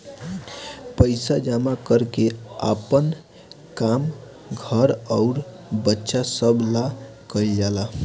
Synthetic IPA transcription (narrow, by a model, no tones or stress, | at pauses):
pəjsad͡ʒamakəɾkea̰pən | kam | ɡʱəɾəʊɾ | bətːʃasəbʱlakəljala